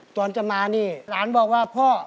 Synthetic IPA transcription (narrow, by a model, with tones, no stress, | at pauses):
t̪ɔː˧nt͡ɕa˨˩maː˧niː˥˩ɾaː˨˦˥nbɔː˨˩k̚waː˥˩pʰɔː˥˩